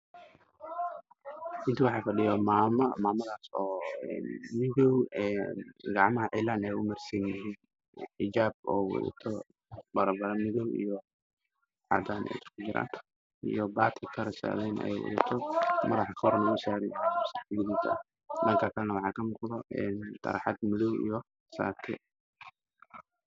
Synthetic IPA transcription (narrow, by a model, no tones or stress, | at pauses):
ʔɪnt̪ʰɐwɑħɑːfɐɗɪjɔmaːmɐmaːmɐðaːsɔːɛ̰ːnmɪðɔwɛːnɡɑʕmɐɦɐʕɪlːaːnɛjʊmɐrsɐnjɪɦin | ħɪd͡ʒaːb̚ɔːwɔ̰ðɐ̰t̪ʰɔ | bɐɾɐbɐɾɐnmɪðɔwḭjɔ | ʕɑ̰d̪aːnʔɛ̰jt̪ʰkʰʊd͡ʒɪɾa̰ːn | ḭjɔbaːt̪ʰɪkʰɐɾɛsa̰ːðɛnɛ̰ɛ̰jwɔ̰ðɐt̪ʰɔmɐðɐħɑkʰɐwɔɾnɐɣʊsaːɾɪjasɡɪðit̪ʰɐɐ | dɐŋkʰɐkʰɐlɛnɐwɑħɑːkʰɐmʊqʊlɔɛnt̪ʰɐ̰ɾħɑd̪mɪðɔwijɔ | sa̰ːt̪ʰɛ̰